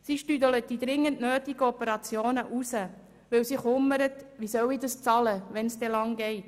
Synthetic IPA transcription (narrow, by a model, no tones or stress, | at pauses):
siʃtyd̪ələt̚d̥id̪ɾɪŋːəntnøːtiɡəɔpəɾɑt͡sjoːnəʔusə | ʋɪwsiχʊmːəɾətʋisœwidəst͡sɑləʋɛnsd̥̪ɛlɑŋɡɛɪt